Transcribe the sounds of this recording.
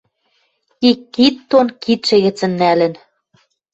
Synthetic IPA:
ikːit̪ːonkit̪ʃɘ̆ɣɘ̆t͡sɘ̆nːælɘ̆n

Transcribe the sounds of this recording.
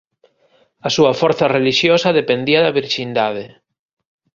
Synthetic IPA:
asuɐfoɾθareliʃjosaðepend̪iaðaβiɾʃind̪að̞e

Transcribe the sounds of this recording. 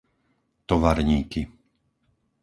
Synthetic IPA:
t̪ɔʋaɾɲiːki

